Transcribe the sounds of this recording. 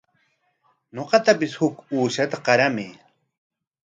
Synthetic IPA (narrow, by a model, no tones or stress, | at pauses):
ɲoqɑt̪apɪshʊkuːʃat̪aqɑɾamɪ